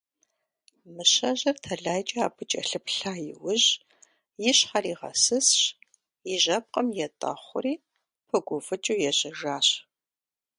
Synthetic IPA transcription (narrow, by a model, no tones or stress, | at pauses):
mɨɕɐʑɐrtʰɐɮaːjt͡ʃʼɐaːbʰɨt͡ʃʼɐ̰ɬɨpɬaːjɪ̰wɨʑ | jɪɕχɐriːʁɐ̰sɨsɕ | jɪʒɐp̚qʼɐmjɛtʼɐ̰χʷʊ̰riː | pʰɨɡʷʊfɨt͡ʃʼuwjɛɕɐʒaːɕ